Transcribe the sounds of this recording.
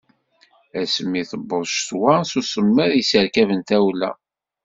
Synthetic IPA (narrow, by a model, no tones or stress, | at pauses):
æsəmːiθəbːəðˤʃt̪wasusəmːəðjisəɾkævənt̪æwlæ̰